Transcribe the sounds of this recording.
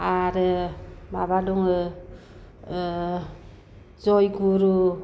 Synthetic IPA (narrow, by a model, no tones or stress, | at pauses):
aɾ | maβaduŋ | zɔjɡuɾu